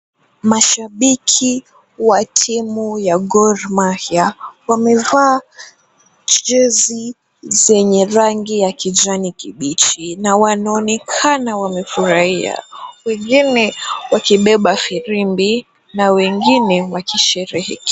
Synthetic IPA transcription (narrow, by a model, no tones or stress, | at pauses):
maʃaɓikʰi | watʰimujaɡɔɾmahjawamɛvaː | t͡ʃɛzi | zɛɲɛɾaŋɡijakʰid͡ʒanikiɓit͡ʃinawanaɔnɛkʰanawamɛfuɾahia̰wɛŋɡinɛwakiɓɛɓafiɾimbi | nawɛŋɡinɛwakiʃɛɾɛhɛkɛ